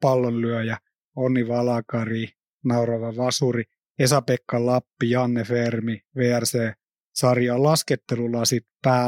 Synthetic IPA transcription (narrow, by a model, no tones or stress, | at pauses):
pɑlːonlyøjɑ | onːiʋɑlɑkɑri | nɑuɾɑʋɑʋɑsuri | esɑpekːɑlɑpːijɑnːefermiʋeːærseː | sɑrjɑːlɑsket̪ːelulːɑsit̪pæː